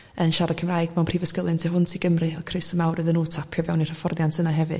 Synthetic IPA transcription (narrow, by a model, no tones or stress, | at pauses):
ənʃaɾakʰəmrajɡmɛwnpʰr̥iːvəskəlˠɨntʰiɦʊntʰiɡəmrɨɔkʰrɨsəmawrɨðənuːtʰapʰjɔvɛwnir̥əfɔrðjantʰənaɦɛvɨ̰